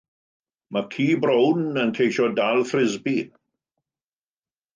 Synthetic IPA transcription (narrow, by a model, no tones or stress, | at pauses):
makʰiːbɾownənkʰejʃɔdalˠθrɪzbi